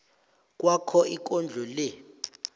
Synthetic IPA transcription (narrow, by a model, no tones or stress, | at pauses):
k̬ʼwakʰɔik̬ʼɔnd͡ɮʱɔlɛ